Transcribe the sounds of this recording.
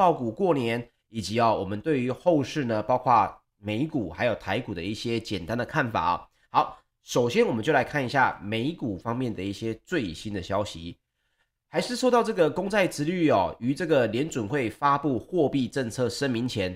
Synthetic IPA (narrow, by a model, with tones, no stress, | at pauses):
ɑ˥˩ʊku˨˩kwɔ˥˩njɛ˧˥n | i˨˩t͡ɕi˧˥ɐ˨wɔ˨˩mə˨˦nt̪we˥˩ɪy˧˥xo˥˧ʊʂɻ̩˥˩nə˩pɑ˥ʊkʰwa˥˩ | me˧˥ɪku˨˩xa˧˥ɪjo˨˩ʊt̪ʰa˧˥ɪku˨˩d̪ə˦i˥˩ɕjɛ˦˥t͡ɕjɛ˨˩nt̪a˦nd̪ə˨kʰa˥˩nfa̰˨˩ɐ̰˦ | xɑ˧˦ʊ | ʂo˨˩ʊɕjɛ˦nwɔ˨˩mə˦nt͡ɕjo˥˩la˧ɪkʰa˥˩ni˧˥ɕja̰˥˩me˧˥ɪku˨˩fɑ˥ŋmjɛ˥˩nd̪ə˩i˥˩ɕjɛ˥t͡swe˥˩ɪɕi˦˥nd̪ə˨˩ɕjɑ˥ʊɕḭ˧˦ | xa˧˥ɪʂɻ̩˥˧ʂo˥˧ʊt̪ɑ˥˧ʊʈ͡ʂɤ˥˩ɡə˩kʊ˥ŋt͡sʰa˥˩ɪt͡sɹ̩˧˥ly˥˩ɔ˩y˧˥ʈ͡ʂɤ˥˩ɡə˩ljɛ˧˥nt͡swʊ˨˩nxwe˥˩ɪfa˥pu˥˧xwɔ˥˧pi˥˧ʈ͡ʂə˥˧ŋt͡sʰɤ˥˩ʂə˥nmi˧˥ŋt͡ɕʰjɛ˧˥n